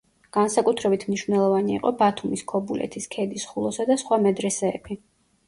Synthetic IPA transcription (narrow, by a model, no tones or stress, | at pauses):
ɡ̥ansakʼut̪ʰɾɛbit̪ʰmniʃvnɛlˠɔvaniḭqʼɔbat̪ʰumiskʰɔbulʔɛ̰t̪ʰiskʰɛd̪isχulˠɔsad̪asχwamɛd̪ɾɛsɛːbi